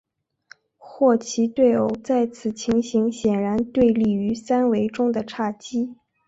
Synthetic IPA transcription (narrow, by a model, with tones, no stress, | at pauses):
xwɔ˥˩t͡ɕʰi˧˥t̪we˥˩ɪo˧˩ʊt͡sa˥˩ɪt͡sʰɹ̩˨˩t͡ɕʰi˧˥ŋɕi˧˥ŋɕjɛ˨˩nɻa˧˥nt̪we˥˧ɪli˥˩y˧˥sa˥nwe˧˥ɪʈ͡ʂʊ˥ŋd̪ə˨ʈ͡ʂʰa˥˩t͡ɕi˥